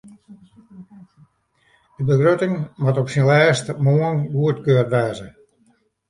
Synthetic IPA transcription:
dəbəxrotɪŋmatɔpsinlɛːstmoənɡuətkøːrʋɛːzə

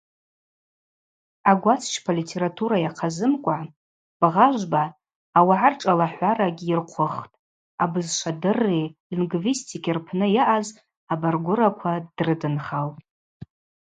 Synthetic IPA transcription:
aɡʷat͡sʰt͡ʃʰpʰalitʰe̞ɾatʰuɾajaqʰazɨmkʷʼa | b̥ʁaʒʷbaː | waʕarʈ͡ʂʼalaħʷaɾaɡʲirqʷʰʊχtʼ | abɨzʃʷʰadɨrːelinɡvistʰikʰʲirpʰnɨjaʔaz | abarɡʷʊɾakʷʰad̥rɨdɨnχalpʼ

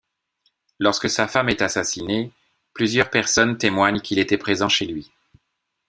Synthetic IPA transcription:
lɔʁskəsafamɛt̪asasine | plyzjœʁpɛʁsɔnt̪emwaɲkʲilet̪ɛpχezɑ̃ʃelɥi

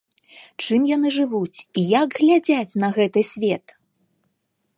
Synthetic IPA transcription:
t͡ʂɨmjan̪ɨʐɨvut͡sʲijaɡɣlʲad͡zʲat͡sʲnɐɣɛt̪ɨsʲvʲɛt̪

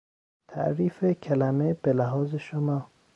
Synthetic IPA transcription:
t̪ʰæ̰ʔɾiːfecʰælæmeb̥elæɦɒːzeʃomɒː

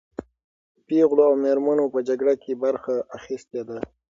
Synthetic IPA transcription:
piɣloawmeɾmanopəd͡ʒaɡɽakʰebaɾxaʔaxist̪ed̪a

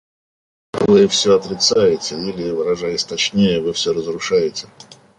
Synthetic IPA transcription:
vɨfsʲɵɐt̪ɾʲɪt̪sajɪtʲɪilʲɪvɨɾɐʐajɪsʲt̪ɐt͡ɕnʲejəvɨfsʲɵrəzrʊʂajɪtʲɪ̥

